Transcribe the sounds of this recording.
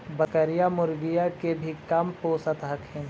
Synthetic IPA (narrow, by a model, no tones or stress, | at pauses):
bɐkəɾijamʊɾʋijakebʱikɐmpoːsat̪ɦɐkʰɪ̃n